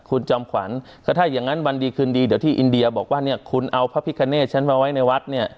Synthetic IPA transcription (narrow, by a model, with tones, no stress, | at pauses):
kʰu˧nt͡ɕɔː˧mkʰwa˩˦nkkʰaː˥˩t̪ʰaː˥˩jaː˨˩ŋːa˦˥nwa˧ndiː˧kʰɯː˧ndiː˧di˩˦wt̪ʰiː˥˩ʔi˧ndi˧ɐ˧bɔː˨˩k̚waː˥˩ni˥˩ɐkʰu˧nʔa˧wpʰa˦˥pʰi˦˥kʰːa˧neː˥˩t̪̚t͡ɕʰa˦˥npʰa˦˧wa˦˥jna˧jwa˦˥t̪̚ni˥˩ɐ